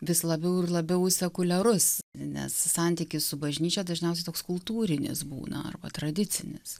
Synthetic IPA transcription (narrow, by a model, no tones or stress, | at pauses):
ʋʲɪslˠɐbʲɛʊɪrlˠɐbʲɛʊsʲɛkʊlʲɛɾʊsnʲɛ̰sːɑnʲt̪ʲikʲɪssʊbɐʒʲnʲiːt͡ʃʲɛd̪ɐʒʲnʲɛʊsʲɛɪt̪oːkskʊlˠt̪uːɾʲɪnʲɪ̰sbṵːnɐ̰ɐ̰rbɐ̰t̪ɾɐd̪ʲɪt͡sʲɪnʲɪs